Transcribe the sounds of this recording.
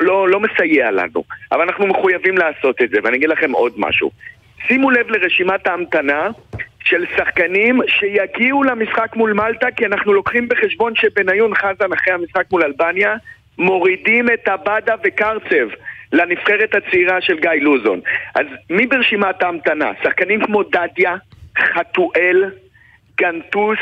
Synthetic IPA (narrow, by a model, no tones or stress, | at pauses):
lo̞lo̞mesajeala̰nṵavalanaχnume̞χujavimlaːso̞t̪et̪ze̞veaniaɡidlaχe̞mo̞d̪ma̰ʃṵ | simulevle̞ʁe̞ʃimataːmt̪anaʃe̞lsaχkanimʃe̞jaɡiulamisχakmulmaltakianaχnulo̞kχimbe̞χe̞ʃbo̞nʃebe̞najunχazanaχejhamisχakmulalbanja | mo̞ʁidime̞tabadave̞kaʁt͡se̞vlanifχe̞ʁet̪hat͡siʁaʃe̞lɡajluzo̰nʔa̰zmibeʁeʃimataːmt̪ana̰saχkanimkmo̞dadjaχatuʔe̞l | ɡ̥ant̪us